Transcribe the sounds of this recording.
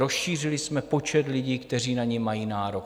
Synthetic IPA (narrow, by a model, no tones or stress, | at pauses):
ɾo̞sʃiːr̝ɪlɪsmɛpo̞t͡ʃɛt̪lɪɟiːkt̪ɛr̝iːnaɲɛmːajiːnaːɾo̞k